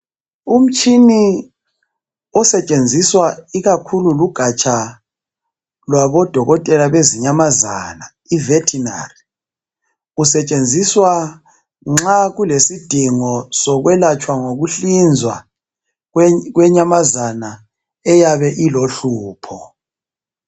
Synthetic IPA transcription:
um̩t͡ʃʰʼini | ɔsɛt͡ʃʼend͡zʱiswaiɣakʰululuɡ̥ʱat͡ʃʼʰa | lwaβɔd̥ʱɔɣɔtʼɛlaβeziɲamaza̰na | ivɛtʰina̰ri | usɛt͡ʃʼend͡zʱiswa | ŋ͡ǁaɣulesid̥ʱiŋɔsɔɣwɛlat͡ʃʼwaŋoɣuɬind͡zʱwa | wɛɣwɛɲamazana | ɛjaβɛʔiloɬuːpʰɔ

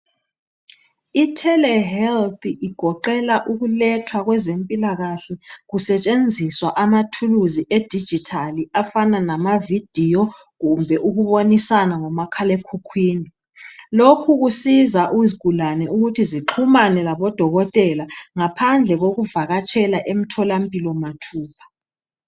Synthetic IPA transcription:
itʰɛlɛɦɛlt̪iʔiɡ̥ʱɔǃɛlaʔuɣulɛtʰwaɣwɛzempʼilaɣaɬɛɣusɛt͡ʃʼend͡zʱiswaʔamatʰuluziʔed̥ʱid̥d͡ʒ̥ʱitʰaliafananamavid̥ʱijɔɣumbʱɛʔuɣuβonisanaŋɔmakʰalekʰukʰwiːni | lokʰuɣusizaʔuzɡ̥ʱulanɛuɣutʰiziǁʰumanɛlaβɔd̥ʱɔɣɔtʼɛlaŋapʰand͡ɮʱɛɣoɣuvaɣat͡ʃʰʼɛlaʔem̩tʰɔlampʼilɔmatʰuːpʰḁ

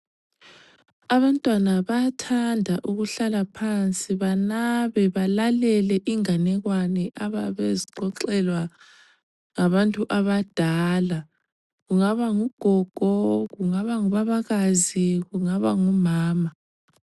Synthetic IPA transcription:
aβantʼwanaβatʰandʱaʔuɣuɬalapʰant͡sʼiβanaβɛβalalɛlɛʔiŋanɛɣwanɛʔaβaβeziǃɔǃɛlwa | ŋaβantʼuʔaβad̥ʱala | ɣuŋaβaŋuɡ̥ʱɔɡ̥ʱɔɣuŋaβaŋuβaβaɣaziɣuŋaβaŋumaːma

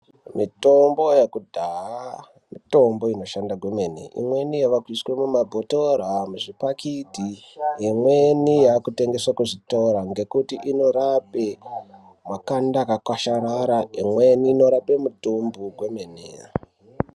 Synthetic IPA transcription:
mito̞mbo̞jekudʱaa | mito̞mbo̞ino̞ʃandaɡʱwemenḛʔḭmwe̞nijaʋakwiswemumabʱotoɾamuʐipakitijemwenijaːkute̞ŋɡe̞swakuʐito̞ɾaŋɡe̞kutiʔino̞ɾape | makandakakwaʃaɾaɾaemweniːno̞ɾape̞mutumbuɡwe̞menea̰

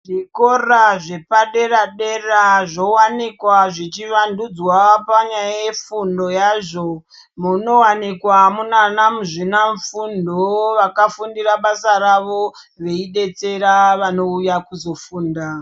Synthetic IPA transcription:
ʐiko̞raʐe̞paɗe̞raɗeraʐo̞wanikwaʐit͡ʃiʋandud͡zwapaɲajaje̞fundo̞jaʐo̞ | muno̞wanikwamunanamuʐinaɱfundoʋakafundiraɓasaɾaʋo̞ | ʋe̞iɗe̞t͡se̞ɾaʋano̞ujakuzo̞fuːnda

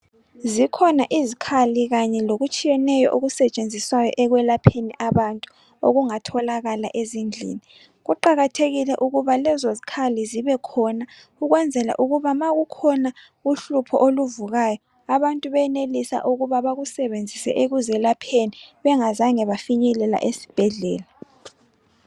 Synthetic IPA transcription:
zikʰɔnaʔizikʰaliɣaɲɛloɣut͡ʃʼijɛnɛjɔ̰ʔoɣusɛt͡ʃʼend͡zʱiswajɔ̰ʔɛɣwɛlapʰeniʔaβantʼu̥ | o̰ɣuŋatʰɔlaɣalaʔezind͡ɮʱḭːni | ɣuǃaɣatʰeɣilɛʔuɣuβalɛzozikʰaliziβɛkʰɔna | uɣwɛnd͡zʱɛla̰ʔuɣuβamaɣukʰɔna | uɬupʰɔʔoluvuɣajɔ | aβantʼuβɛnelisa̰ʔuɣuβaβaɣusɛβend͡zʱisɛ̰ʔeɣuzɛlapʰeniβɛŋazaŋɛβafiɲɛlɛla̰ʔesi̥b̥ʱɛɮɛ̰ːla

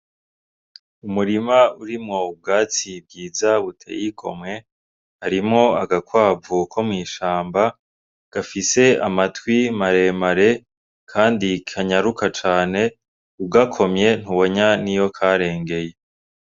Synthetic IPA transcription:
umuɾimauɾimŋo̞b̚ɡaːt͡sib̚ɡiːzaβutʰḛjikʰo̞̰mŋe̞ | haɾimŋo̞aɡakwaːbukʰo̞mŋiːʃaːmba | ɡ̥afise̞amatwimaɾe̞maɾe̞ | kʰaːndikʰaɲaɾukʰat͡ʃaːne̞ | uɡakʰo̞mje̞n̥uβo̞ɲanijo̞kʰaɾe̞ːŋɡe̞je̞

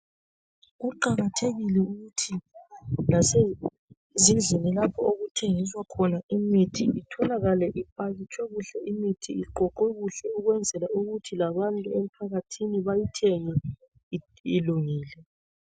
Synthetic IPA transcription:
ɣuǃaɣatʰeɣilɛuɣutʰi | nase | zind͡ɮʱinilapʰɔoɣutʰeŋis̬wakʰɔnaimitʰiitʰɔlaɣalɛʔipʼaɣit͡ʃʰʼwɛɣuɬɛʔimitʰiiǃɔǃwɛɣuɬɛuɣwɛnd͡zʱɛlauɣutʰilaβantʼuem̩pʰaɣatʰiniβajitʰeŋɛ | iluŋiːlɛ

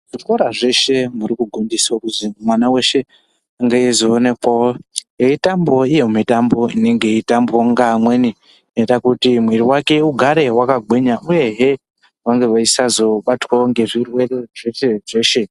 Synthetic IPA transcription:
ʐ̥ikoɾaʐe̞ʃe̞muɾikuɡʱondisaokuzimwanawe̞ʃe̞ | aŋɡeizoːne̞kwawojeitambo̞ijemitambo̞ine̞ŋɡe̞itambo̞ŋɡamwe̞ni | netakutimwiɾiwake̞uɡʱaɾe̞wakaɡʱwiɲauje̞ɦe̞ | ʋaŋɡe̞ʋaisazo̞ɓatwaoŋɡe̞ʐirwereʐeʃe̞ʐe̞ʃe̞

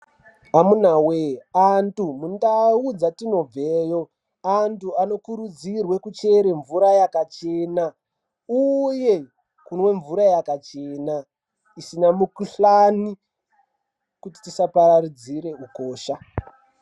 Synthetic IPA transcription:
amun̤aweantumundaud͡zatino̞b͡vejo̞ | antuano̞kuɾud͡zirwe̞kut͡ʃe̞ɾe̞ɱvuɾajakat͡ʃe̞na | uje̞ | kunwe̞ɱvuɾajakat͡ʃena | isinamukuɬani | kuti̥tisapaɾaɾid͡ziɾe̞uko̞ːʃa

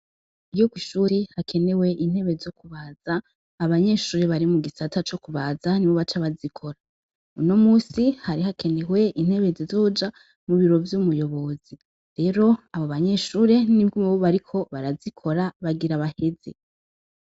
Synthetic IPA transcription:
ijokwiʃuːɾehakʰe̞ne̞we̞ʔin̥he̞βezo̞kuβaz̥aː | βaɲe̞ːʃuːɾe̞βaɾimuɡisatʰat͡ʃo̞kuβazaniβo̞βat͡ʃaβazikʰo̞ɾa | uno̞muːsihaɾihakʰe̞ne̞we̞ʔin̥he̞βe̞zizo̞ːd͡ʒa | muβiɾo̞vjumujo̞βo̞zi | ɾe̞ɾo̞aβoβaɲe̞ʃuːɾe̞nibɡimuβoβaɾikʰo̞βaɾazikʰo̞ɾaβaɡiɾaβahe̞ze̞

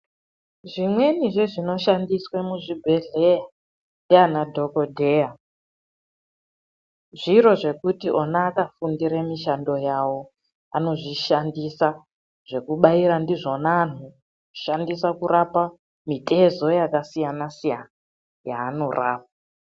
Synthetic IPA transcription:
ʐimwe̞niʐeʐino̞ʃandiswemuʐibʱe̞ɮeja | ndianadʱo̞kodʱeja | ʐiɾo̞ʐe̞kutiʔo̞naːkafundiɾemiʃando̞jawo̞ | a̰no̞ʐiʃandisa | ʐ̥e̞kuɓaiɾandiʐonaːn̤u | uʃandisakuɾapa | mitʰʼe̞zo̞jakasijanasijana | ja̰ːno̞rʔa̰ːp̚a

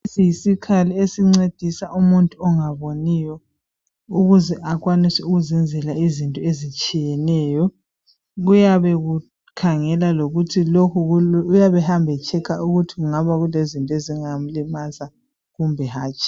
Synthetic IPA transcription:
esijisikʰaliesiŋ͡ǀed̥ʱisaʔumuntʼuɔŋaβonijɔ | uɣuzɛʔakwanisɛuɣuzɛnd͡zʱɛlaizintʼɔezit͡ʃʼijɛnɛjɔ | ɣujaβɛɣu | kʰaŋɛlaloɣutʰilokʰuujaβɛhambʱɛt͡ʃʰʼɛkʰaʔuɣutʰiɣuŋaβaɣulezintʼɔeziŋam̩limaza | ɣumbʱɛɦaːt͡ʃʼi̥

